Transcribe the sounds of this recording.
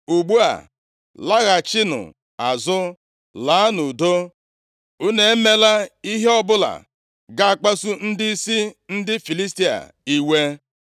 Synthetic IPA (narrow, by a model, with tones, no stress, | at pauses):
u˨ɡ͡bu˦a̰˨ | la˦ɣa˨t͡ʃɪ˦nʊ̰˨ | a˨zʊ˦ | la˨˦nʊ˨do˦ | u˦ne˨e˦me˦la˦i˦ɦe˦ɔ˦bʊ˦la̰˨ | ɡa˦a˨k͡pa˦su˦n̩˦dɪ˦i˦si˦n̩˦dɪ˦fi˨li˦s̬ti˦a̰˨ | i˦we˦